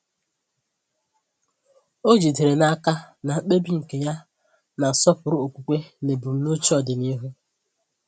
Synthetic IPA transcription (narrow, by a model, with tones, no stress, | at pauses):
o˦d͡ʒi˨de˨ɾe˨na˦ka˦na˨˦k͡pe˦bi˦ŋ̩˨ke˨ja˦ | na˨sɔ˦pʊ˨ɾʊ˦o˨kʷu˨kʷe˦ne˨bu˨m̩˦no˦t͡ʃi˦ɔ˨dɪ˨ni˦ɦu˦